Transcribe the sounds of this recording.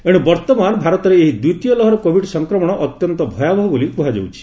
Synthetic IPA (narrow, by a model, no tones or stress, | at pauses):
eɽ̃ubɔɾt̪ɔmanbʱaɾɔt̪ɔɾeeɦid̪ut̪ijɔlɔɦɔɾɔkobʱiɖsɔŋkɾɔmɔɽ̃ɔʔɔt̪jɔnt̪ɔbʱɔjabʱɔɦɔbolikuɦad͡ʒo̰wt͡ʃʰi̥